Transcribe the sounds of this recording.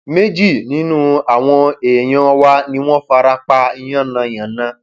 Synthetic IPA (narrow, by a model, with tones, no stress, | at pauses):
me˦d͡ʒi˦˨nĩ˦nũ˦a˨w̃ɔ̃˧e˨j̃ɔ̃˦˧wa˦nĩ˦w̃ɔ̃˦fa˧ɾa˧k͡pa˧i˧j̃ã˦˨nã˧˨j̃ã˨nã˧˦